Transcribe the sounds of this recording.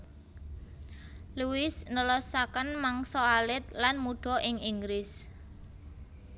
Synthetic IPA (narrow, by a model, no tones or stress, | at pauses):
luwɪsnəlɔsakənmaŋsɔalɪt̪̚lanmuɖ̥ɔ̤ʔɪŋiŋɡɾɪs